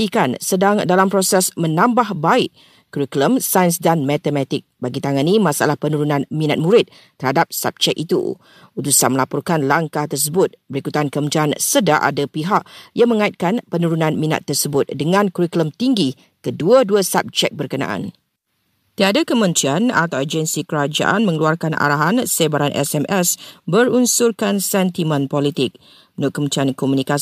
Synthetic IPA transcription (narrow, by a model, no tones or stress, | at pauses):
ikansədaŋdalampɾosɛsmə̃nãmbahbaɪʔ | kuɾikləmsajənsdanmɛt̪əmɛt̪ɪk̚baɡit̪aŋanimasa̰lahpənuɾunãnmĩnat̪̚mũɾɪt̪̚ | t̪ːərhadap̚sa̰p̚d͡ʒɛkit̪ṵ | ut̪usanməlapɔrkanlaŋkaht̪ərs̬əbʊt̪̚bəɾikut̪ankəməd͡ʒiansədaʔa̰dapiɦaʔjaŋmə̃ŋait̪̚kanpənũɾunãnmĩna̰t̪ːərsəbʊt̪̚dəŋãnkuɾikləmt̪iŋɡi | kəduəduəsap̚d͡ʒɛk̚bərkənã̰ʔa̰n | t̪iadakəmə̃nt̪ɾiana̰t̪awad͡ʒənsikəɾad͡ʒa̰ʔanmə̃ŋəluarkanʔa̰ɾaɦansebaɾanʔɛ̰sɛmʔɛsbəɾunsurkansɛnt̪imə̃npɔlit̪ɪk̚ | unʊʔ̪̚kəmənt̪ɾiankɔmunika